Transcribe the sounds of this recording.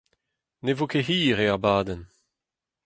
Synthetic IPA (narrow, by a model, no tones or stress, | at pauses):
nevokeɦiːʁeaʁbaːd̪ɛn